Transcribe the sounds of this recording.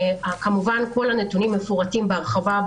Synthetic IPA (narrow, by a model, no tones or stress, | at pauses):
akamuvanko̞lanetunimːefuʁatimbeaʁχavab